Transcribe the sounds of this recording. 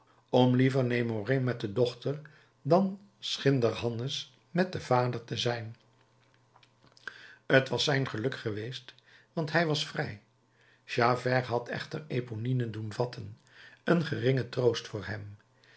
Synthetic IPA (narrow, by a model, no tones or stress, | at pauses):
ɔmlivəɹnejmoremɛt̚dədɔχtəɹ | dɑn | sχɪndərɦɑnəs | mɛt̚dəv̥aːdəɹtəzɛjn | ətʋɑsɛjnχəlɵkχəʋejst | ʋɑntɦɛjʋɑsfrɛj | ʃavɛrɦɑtʰɛ̰χtəɹeponinəndunvɑtʰən | ənχərɪŋətrowstfʊːɹɦɛm